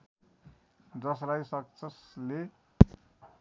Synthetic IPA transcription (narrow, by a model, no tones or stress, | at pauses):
d͡zʌslajsʌk̚sʰʌsle